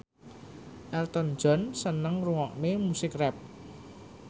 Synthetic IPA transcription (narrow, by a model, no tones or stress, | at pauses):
ʔɛlt̪ɔn̥d͡ʒ̥ɔ̤nsənəŋruŋɔʔnemusɪkrɛp̚